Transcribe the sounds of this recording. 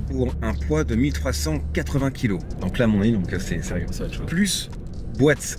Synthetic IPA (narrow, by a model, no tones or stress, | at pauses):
puʁɛ̃pwad̪əmilt̪χwasɑ̃kat̪χəvɛ̃kʰʲilod̪ɔ̃klamɔ̃nid̪ɔ̃ksɛsɛʁjøsʃplys | bwat̪